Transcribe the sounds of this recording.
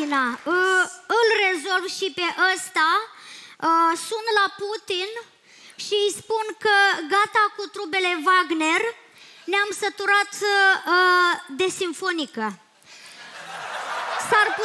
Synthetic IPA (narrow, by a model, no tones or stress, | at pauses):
inaəɨlre̞zo̞lvʃipe̞ʔast̪a | əsunt̪laput̪in | ʃiɨjspunkəɡat̪akut̪ɾube̞le̞vaɡne̞r | neamsət̪uɾat̪əd̪e̞simfo̞nikə | sarpu